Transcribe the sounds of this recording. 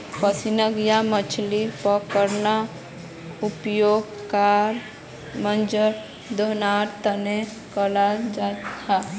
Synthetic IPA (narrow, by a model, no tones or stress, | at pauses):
pəsinəɡjamət͡ʃʰlipəkəɾna | upjoːɡ | kaɾ | mənd͡ʒəɾ | d̪onaɾt̪əne | kəlad͡ʒaa